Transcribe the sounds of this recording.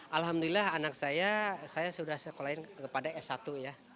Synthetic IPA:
ʔalɦamdulilaɦanak̚sajasajasudahsəkolaɪnkəpadaɛsat̪uja

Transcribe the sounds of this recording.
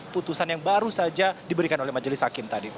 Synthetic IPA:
put̪usanjaŋbaɾusad͡ʒadibəɾikanolɛhmad͡ʒəlɪshakɪmt̪adi

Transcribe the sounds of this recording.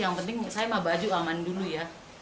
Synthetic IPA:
jaŋpənt̪ɪŋsajamabad͡ʒuamanduluja

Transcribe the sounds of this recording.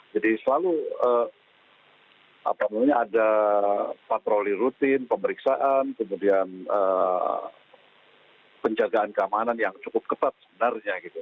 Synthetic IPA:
d͡ʒadisəlaluə | ʔa̰pamamɲaːda | pat̪ɾoliɾut̪ɪnpəməɾiksaʔankəmudianəː | pəɲd͡ʒaɡaankəamananjaŋt͡ʃukʊp̚kət̪at̪̚səbənarɲaɡit̪u

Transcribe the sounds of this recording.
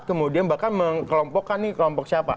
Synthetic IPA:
t̪̚kəmudianbahkanməŋkəlɔmpɔkːanːɪkəlɔmpɔk̚siapa̰

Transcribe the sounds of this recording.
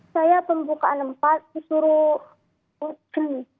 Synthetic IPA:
sajapəmbukaanəmpat̪̚sisuɾu | wad͡ʒ̥ən

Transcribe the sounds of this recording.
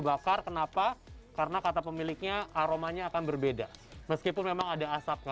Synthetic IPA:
bakarkənapakaɾənakat̪apəmilɪk̚ɲaːɾomaɲaːkanbərbedaməskipʊnmemaŋadaːsap̚ka

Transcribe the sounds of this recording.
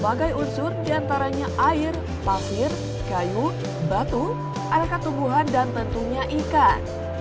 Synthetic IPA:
baɡajunsʊrdiant̪aɾaɲaʔaɪr | pasɪr | kaju | bat̪u | ʔadakat̪umbuɦandant̪ənt̪uɲaʔika

